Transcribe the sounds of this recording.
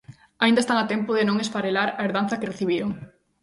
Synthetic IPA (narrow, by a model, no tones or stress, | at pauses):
aind̪aest̪aŋat̪ɛmpʊðɪnõŋespaɾelaɾɐeɾðan̟θɐkereθiβiɾoŋ